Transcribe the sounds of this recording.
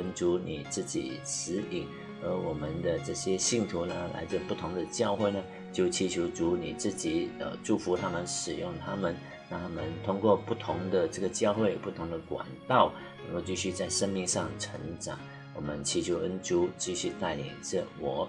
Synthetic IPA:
ə˥nt͡su˧˥ni˨˩t͡sɹ̩˥˩t͡ɕḭ˨˩ʂɹ̩˧˥li˨˩˦ŋ | ə˧˥wɔ˨˩mə˦nd̪ə˧ʈ͡ʂɤ˥˩ɕjɛ˥ɕi˥˩ŋt̪ʰu˧˥nə˧la̰˧˥ɪt͡sɹ̩˥˧pu˥˩t̪ʰʊ˧˥ŋd̪ə˨˧t͡ɕjɑ˥˧ʊxwe˥˩ɪnə˩ | t͡ɕjo˥˩ʊt͡ɕʰi˧˥t͡ɕʰju˧˥ʊt͡su˧˥nḭ˨˩t͡sɹ̩˥˩t͡ɕi˨˩ə̰˧˩ʈ͡ʂu˥˩fu˧˥t̪ʰa˥mə˨nʂɻ̩˨˩jʊ˥˩ŋt̪ʰa˥mə˨n | na˥a˥a˥mə˨nt̪ʰʊ˥ŋkwɔ˥˧pu˥˩t̪ʰʊ˧˥ŋd̪ə˨ʈ͡ʂɤ˥˩ɡə˩t͡ɕjɑ˥˧ʊxwe˥˩ɪpu˥˩t̪ʰʊ˧˥ŋd̪ə˧kwa̰˨˩nt̪ɑ˥˩ʊ | nə˧˥ŋko˥˧ʊt͡ɕi˥˧ɕy˥˧t͡sa˥˩ɪʂə˥ŋmi˥˧ŋʂɑ˥˩ŋʈ͡ʂʰə̰˧˥ŋʈ͡ʂɑ̰˨˩˦ŋ | wɔ˨˩mə˦nt͡ɕʰi˧˥t͡ɕʰju˧˥ə˥nʈ͡ʂu˥t͡ɕi˥˧ɕy˥˧t̪a˥˩ɪlḭ˨˩ŋʈ͡ʂə˥˧˩wɔ˨˩˦

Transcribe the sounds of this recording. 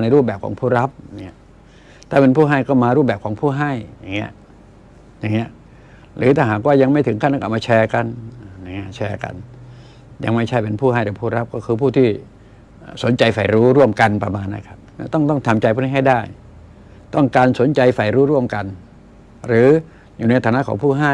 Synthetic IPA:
na˧jɾuː˥˩p̚ɛː˨˩p̚kʰːŋpʰuː˥˩ɾa˦˥p̚ni˦˥˩ɐ | t̪ʰaː˥˩pe˧npʰuː˥˩ɦa˥˩jkɔː˥˩maː˧ɾuː˥˩p̚bɛː˨˩p̚kʰɔː˩˦ŋpʰuː˥˩ɦa˥˩jja˨˩ŋːi˦˥ə | ja˨˩ŋːi˦˥ɐʔ | ɾɯː˨˦t̪ʰaː˥˩ɦaː˨˩k̬̚waː˥˩ja˧ŋma˥˩jt̪ʰɯ˩˦ŋkʰa˥˩nːa˥˨ʔa˨˩maː˧t͡ɕʰɛː˧ka˧na˨˩ja˨˩ŋːi˦˥˩t͡ɕʰɛː˧ka̰˧n | ja̰˧ŋma˥˩jt͡ɕʰa˥˩jpe˧npʰuː˥˩ɦa˥˩jɾa˨˩pʰuː˥˩ɾa˦˥p̚kɔː˥˩kʰɯː˧pʰuː˥˩t̪ʰiː˥˩ | ʔːso˩˦nt͡ɕa˧jfa˨˩jɾuː˦˥ɾu˥˩əmka˧npɾa˧maː˧nːla̰˦˥˩kʰa˦˥p̚nɛ̰˦˥˩t̪ɔ˥˩ŋt̪ɔ˥˩ŋt̪ʰa˧mt͡ɕa˧jpʰuː˥˩˥ɦa˥˩daː˥˩j | t̪ɔ˥˩ŋkaː˧nso˩˦nt͡ɕa˧jfa˨˩jɾuː˦˥ɾu˥˩əmka˧n | ɾɯː˨˩˦ | juː˨˩na˧jt̪ʰaː˧˦na˦˥kɔ̰ː˩˦ŋpʰuː˥˩ɦa˥˩

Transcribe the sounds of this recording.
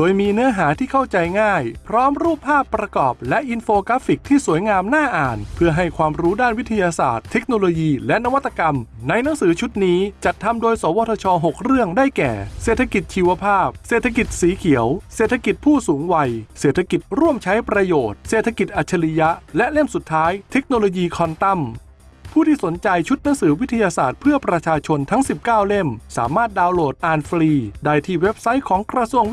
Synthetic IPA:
doː˧jmiː˧nɯ˦˥ɐɦaː˩˦t̪ʰiː˥˩kʰa˥˩wt͡ɕa˧jŋaː˥˩jpʰɾɔː˦˥mɾuː˥˩pʰːaː˥˩pːɾa˧kɔː˨˩p̚lɛ˦˥ʔi˧nfoː˧kaː˦˥fi˨˩k̚t̪ʰiː˥˩su˩˦əjŋaː˧mnaː˥˩ʔaː˨˩npʰɯ˥˩əɦa˥˩jkʰwaː˧mɾuː˦˥daː˥˩nwi˦˥t̪ʰa˧jaː˧sa̰ː˨˩t̪ʰːe˦˥k̚noː˧loː˧jiː˧lɛ˦˥ʔna˧˥wa˦˥t̪ːḁ˧ka˧mna˧jna˩˦ŋsɯː˩˦t͡ɕʰu˦˥t̪̚niː˦˥t͡ɕa˨˩t̪ʰːa˧mdoː˧jsoː˩˦wɔː˧t̪ʰɔ˧t͡ɕʰɔː˧ɦo˨˩k̚ɾɯ˥˩əŋdaː˥˩jkɛ̰ː˨˩seː˨˩t̪ʰa˧ki˨˩t̪̚t͡ɕʰiː˧wa˧pʰaː˥˩p̚seː˨˩t̪ʰa˧ki˨˩t̪̚siː˩˦kʰi˩˦əwseː˨˩t̪ʰːa˧ki˨˩t̪̚pʰuː˥˩suː˩˦ŋwa˧jseː˨˩t̪ʰːa˧ki˨˩t̪̚ɾu˥˩əmt͡ɕʰa˦˥jpɾa˧joː˨˩t̪̚seː˨˩t̪ʰːa˧ki˨˩t̪̚ʔa˨˩t̪̚t͡ɕʰa˧li˧ja˦˥ʔlɛ˦˥ʔle˥˩msu˨˩t̪ʰːaː˦˥jt̪ʰe˦˥k̚noː˧loː˧jiː˧kʰɔ˧nt̪a˥˩m | pʰuː˥˩t̪ʰiː˥˩so˩˦nt͡ɕa˧jt͡ɕʰu˦˥t̪̚na˩˦ŋsɯː˩˦wi˦˥t̪ʰːa˧jaː˧sa̰ː˨˩t̪̚pʰɯ˥˩ɐpɾa˧t͡ɕʰaː˧t͡ɕʰo˧nt̪ʰa˦˥ŋsi˨˩p̚kaː˥˩wle˥˩msa̰ː˩˦maː˥˩t̪̚daː˧wloː˨˩t̪̚ʔaː˧nfɾiː˧daː˥˩jt̪ʰiː˥˩we˦˥p̚sa˦˥jkʰɔː˩˦ŋkɾa˧su˧əŋ

